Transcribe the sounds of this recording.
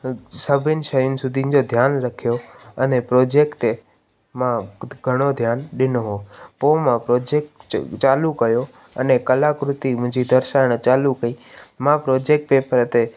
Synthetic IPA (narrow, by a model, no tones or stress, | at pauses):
səbʱɪnɪ̆ʃəjʊnɪ̆sʊd̪ʱiʊ̃nɪ̆d͡ʑod̪ʱjaːnɾɐkʰijoɐnepɾoːd͡ʑeːkt̪e | mãɡʱəɽ̃od̪ʱjaːnɗɪnoɦoːpoːmãpɾoːd͡ʑeːkʈt͡ʃaːlukɐjo | ɐnekɐlakɾʊt̪imʊ̃ɦɪ̃ɲd͡ʑid̪əɾʃaːəɽ̃t͡ɕaːlukəiːmãpɾoːd͡ʑeːk̚ʈ̚peːpəɾt̪e